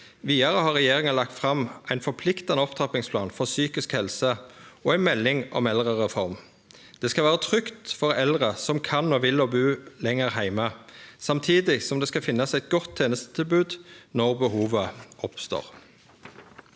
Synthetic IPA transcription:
ʋiːɑʁəhɑʁɛjeːʁɪŋənlɑkt̪fʁɑmʔæɪnfɔpʰlɪkt̪ɑnəɔpt̪ʰɑpɪŋspʰlɑ̰ːnfɔʁsyːkɪskhɛlsəoːæɪnmɛlːɪŋɔ̰mɛlʁəʁɛfɔʁm | d̪̥ɛskɑʋæːʁət̪ʰʁʏkt̪fɔʁɛld̪ʁəsɔmkʰɑnːoːʋɪloːbʉːlɛŋːəʁɦæɪməsɑmt̪ʰiːd̪ɪsɔmd̪ɛːskɑfɪnːɑsæɪt̪̚ɡɔt̪ʰːeːnəst̪ə̥t̪ʰɪlbʉːd̪nɔʁbəhuːʋəʔɔpst̪o̰ːʁ

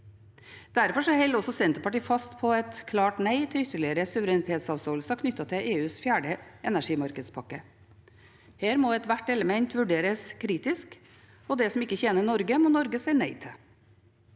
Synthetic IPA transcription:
d̪̥æɾfɔʂɔhɛlɔsɔsɛnt̪əpɑʈiːfɑst̪pʰɔɛt̪kʰlɑːʈnæɪt̪ʰɪʏt̪ːəɭɪəɾəsʉʋəɾɛnɪt̪ʰeːt̪sɑːʋst̪oːəlsɑkʰnʏt̪ːɑt̪ʰɪʔeːʉːsfjæːɖəʔɛnæʂiːmɑɾkəd̪spʰɑkːə | heːɾmoːɛt̪ʋæʈːɛləmɛnt̪ʋʉɖeːɾəskʰɾiːt̪ɪsk | ɔd̪ɛsɔmɪkːəçeːnənɔɾɡəmɔːnɔɾɡəsɛɪnæɪt̪ʰɪl

